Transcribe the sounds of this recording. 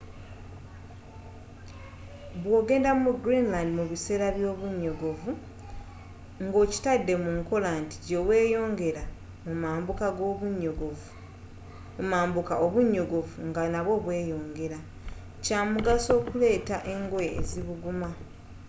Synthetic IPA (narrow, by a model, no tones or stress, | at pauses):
βwo̞ːɡe̞ːndamuɡɾinlandimuβise̞ːɾaβjo̞ːβuɲːoɡovu | ŋɡo̞ːci̥tadːe̞muŋko̞lanti̥ɟewe̞ːjo̞ːŋɡe̞ɾa | mumaːmbukaɡoβuɲoɡ | umaːmbukaoβuɲːoɡo̞vuŋɡanaβo̞βwe̞ːjo̞ːŋɡe̞ɾa | caːmuɡaso̞ːkule̞ːtaʔe̞ŋɡoḛːziβuɡuma